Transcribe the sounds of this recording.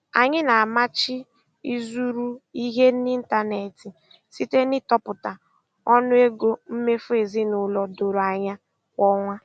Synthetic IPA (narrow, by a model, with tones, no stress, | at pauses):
a̰˨ɲɪ˦na˨a˨ma˦t͡ʃɪ˦ | i˦zu˦ɾu˦i˦ɦe˦n̩˦i˦n̩˦ta˦ne˨ti˨ | si˦te˦nɪ˦tɔ˦pʊ˨ta˨ | ɔ˦nʊ˦e˦ɡo˦m̩˦me˦fʊ˦e˨zi˦nʊ˨lɔ˨do˨ɾa˨ɲa˦ | kɔ˦ŋʷa˦